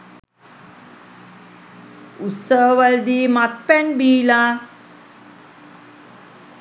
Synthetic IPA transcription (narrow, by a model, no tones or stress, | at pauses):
ut̪səɦəʋəld̪iːmat̪̚pɛnbiːla